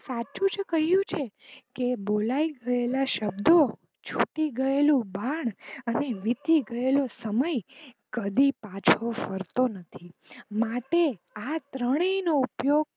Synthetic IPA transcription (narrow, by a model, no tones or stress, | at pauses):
sat͡ʃũd͡ʒkəɦjũt͡ʃʰe | kebolaiɡəelaʃəbd̪o | t͡ʃʰuʈiɡəelũbaɳəneʋit̪iɡəelosəməjkəd̪ipat͡ʃʰofəɾt̪onət̪ʰimaʈe | at̪ɾəɽ̃inoupjoɡ̚